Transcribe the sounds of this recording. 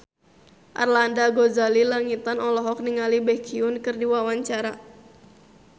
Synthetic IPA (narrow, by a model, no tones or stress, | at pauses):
ʔa̰rlandaɡozalilaŋit̪anɔlɔɦɔk̚niŋalibɛkiʊnkɨrdiwawaɲt͡ʃaɾa